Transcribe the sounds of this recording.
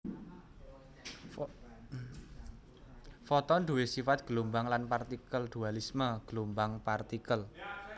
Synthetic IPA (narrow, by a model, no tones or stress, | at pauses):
fɔt̪ɔnɖ̥uwesifat̪̚ɡ̥əlumbaŋlanpart̪ikəlɖ̪̥ualisməɡ̥əlumbaŋpart̪ikəl